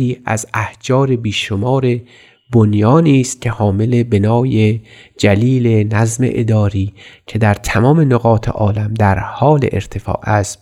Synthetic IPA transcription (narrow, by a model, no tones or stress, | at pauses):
iːʔæ̰zæhd͡ʒɒːɾe̞biːʃomɒːɾe̞ | bonjɒːniːst̪̚cʲʰe̞hɒːme̞lebenɒːjed͡ʒæliːlenæzmḛʔḛd̪ɒːɾiːcʲʰe̞d̪æɾt̪ʰæmɒːme̞noɣɒːt̪ʰḛʔɒːlæmd̪æɾhɒːlḛʔeɾt̪ʰe̞fɒ̰ːʔæst̪